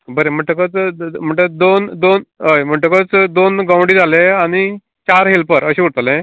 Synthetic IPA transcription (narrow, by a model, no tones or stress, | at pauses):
bəɾem̤əɳʈəkət͡sm̤əɳʈəd̪ond̪onɦəjm̤əɳʈəkət͡sd̪onɡãwɳɽiːd͡zʱaleaɽ̃i | t͡ɕaɾɦelpəɾəɕẽʋuɽt̪əlẽ